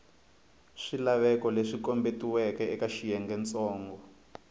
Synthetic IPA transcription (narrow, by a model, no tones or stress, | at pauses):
ʂilaβɛkɔleʂikɔmbetiwɛkɛɛkaʃijɛŋɡɛnt͡sɔːŋɡɔ